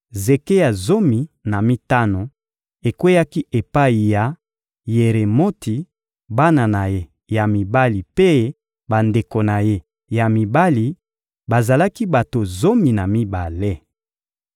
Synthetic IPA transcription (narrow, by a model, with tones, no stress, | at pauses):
ze˨ke˦ja˨zo˦mi˨na˨mi˦ta˦no˨ | e˨kwe˦ja˦ki˦ʔe˨pa˦i˨ja˨ | je˨ʁe˨mo˦ti˨ | ba˦na˨na˨je˦ | ja˨mi˨ba˦li˨pe˦ | ba˨nde˨ko˨na˨je˦ | ja˨mi˨ba˦li˨ | ba˨za˨la˦ki˦ba˨to˨zo˦mi˨na˨mi˦ba˨le˦